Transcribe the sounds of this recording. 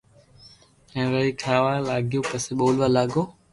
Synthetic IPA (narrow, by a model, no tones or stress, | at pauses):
ɛ̃ːʋəiːkʰaːʋaːlaːɡʱɪjũːpəseɓoːlʋaːlaːɡoː